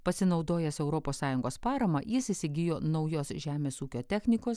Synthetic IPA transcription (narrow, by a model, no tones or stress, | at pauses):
pɐsʲɪnɒʊd̪oːjɛsɛʊɾɔːpoːssɑːjʊŋɡoːspɑːɾɐmɐjɪsisʲɪɡʲɪjoːnɒʊjoːsʒʲæːmʲeːsuːkʲoːt̪ʲæxʲnʲɪkoːs